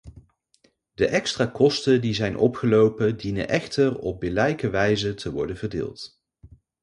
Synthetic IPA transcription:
dəʔɛkstraːkɔstədizɛjnʔɔ̰pχəlowpədinə̰nʔɛχtərɔb̚bɪlɛjkəʋɛjzətʰəʋɔ̰ɹdənvəɹdɪ̰ːlˠt

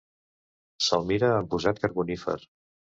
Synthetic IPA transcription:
səlˠmiɾəːmpuzat̪̚kəɾɣunifə̰ɾ

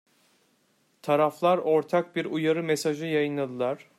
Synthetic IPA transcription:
t̪ʰaɾaflˠaɾo̞ɾt̪ʰak̚biɾujaɾɯmesaʒɯjajɯnlˠad̪ɯlˠaɾ̥

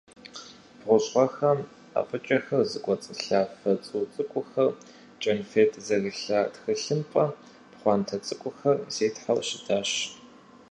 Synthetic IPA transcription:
b̥ʁʷʊɕʼʁʷɔxɐm | a̰ːfʼɨt͡ʃʼɐxɐrzɨkʷʼɔt͡sʼɨɬaːfɐt͡sʼuːt͡sʼɨkʷʼʊxɐr | t͡ʃʼɐnfeːtʰʼzɐɣiɬaːtxɨɬɨmpʼɐ | pχʷɑːntʰɐt͡sʼɨkʷʼʊxɐrzeːtħawʃɪdʰaːɕ

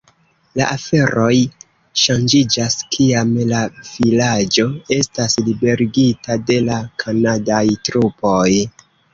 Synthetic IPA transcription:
la̰ʔafe̞ɾo̞j | ʃand͡ʒid͡ʒaskʰiamlavilad͡ʒo̞e̞staslibe̞ɾiɡitade̞lakʰanadajtɾupo̞j

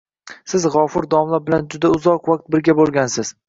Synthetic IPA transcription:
sɪzʁɒfʊɾd̪ɒmlabɪland͡ʒʊd̪aʊzɒqwaq̚t̪̚bɪɾɡʲabolˠɡʲansɪz̥

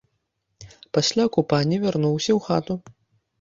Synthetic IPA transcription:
pɐsʲlʲaɔkupanʲivʲɛɾnɔwsʲɐwxat̪u

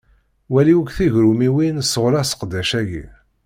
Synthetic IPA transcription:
wæliwəkθiʝɾumiwinsəʁɾæsə̥qd̪ːæʃæʝḭ

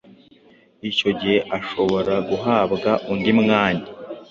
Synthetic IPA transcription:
ico̞ɟihe̞ʔaʃo̞βo̞ɾaɡuɦaːbɡaʔundimŋaːɲa

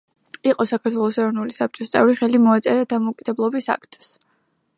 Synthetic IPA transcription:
iqʼɔsakʰat̪ʰwɛlˠɔsɛɾɔvnulisap̚t͡ʃʼɔst̪sʼɛ̰vɾiχɛlimɔat̪sʼɛɾad̪amɔkʼid̪̥ɛblˠɔbisa̰kʰt̪ʼs

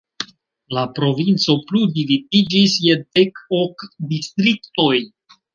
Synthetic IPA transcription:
lapɾo̞vint͡so̞pludividid͡ʒisjedekokdist̪ɾikto̞j

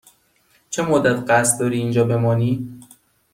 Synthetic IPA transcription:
t͡ʃʰemod̪ːæt̪ʰɢæst̪̚d̪ɒːɾiːnd͡ʒɒːbe̞mɒːniː

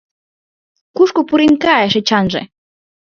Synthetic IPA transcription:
kuʃkupuɾinkɑeʃĕt͡ɕɑnʒḛ̆

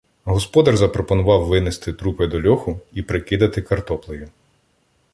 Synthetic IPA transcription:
ɦɔspɔd̪ɐrzɐpɾɔpɔnʊʋɑwʋɪnest̪ɪt̪ɾupɪd̪ɔlʲɔxʊipɾekɪd̪ɐt̪ɪkɐrt̪ɔplˠɪjʊ

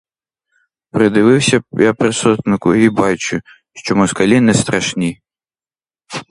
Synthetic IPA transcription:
pɾɨd̪ɪʋɨwsʲɐjapɾɪsɔt̪nɪkʊibat͡ʃʊ | ʃt͡ʃɔmɔskalʲinɛst̪ɾaʂnʲi

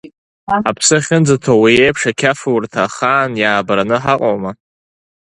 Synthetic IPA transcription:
apʰsɨχʲɪnd͡zatʰowiejpʰʂakʲʰafɨwrtʰaχaːnjaːbaɾanɨħaqʼowma

